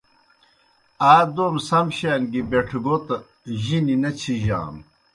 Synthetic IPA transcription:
aːd̪oːmsɐmɕaːnɡibeʈʰɡot̪ɐ | ʑininɐt͡ɕʰiʑa̰ːm

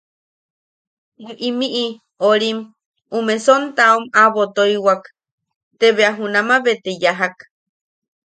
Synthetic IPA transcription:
eʔimiʔi | oɾim | umesont̪aumaβot̪oiwak | t̪eβeaɦunamaβet̪ejaɦak

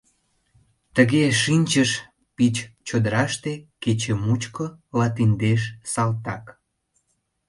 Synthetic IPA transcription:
t̪əɣeʃinʲt͡ɕəʃ | pit͡ɕt͡ɕod̪əɾɑʃt̪eket͡ɕemut͡ɕkolɑt̪ind̪eʃsɑlt̪ɑk

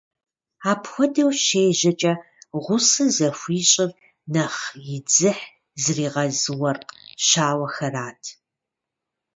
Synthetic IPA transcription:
aːpʰxʷɔdɐwʃeːʒɐt͡ʃʼɐ | ʁʷʊsɨzɐfʷiːɕʼɪr | nɐχjɪd͡zɨħ | zriːʁɐzɨwɐrqʃaːwɐxɐraːtʰ

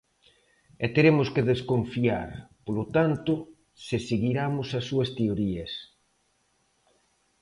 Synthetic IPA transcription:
ɛt̪eɾemʊskeðeskoɱfia̰ɾpolot̪ant̪ʊ | seseɣiɾamʊsɐsːuɐst̪eoɾiɐs

